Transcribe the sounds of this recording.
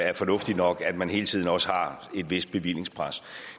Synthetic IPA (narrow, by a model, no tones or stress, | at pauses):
æɐfɒ̽nɔ̽fd̥i̥nɒ̽ɡ̥æd̥mænhe̝ːl̩ət͡sʰið̰ˠn̩ɒ̽səhɑ̈e̝d̥ʋe̝sd̥̚b̥e̝ʋil̰e̝ŋspʰʁas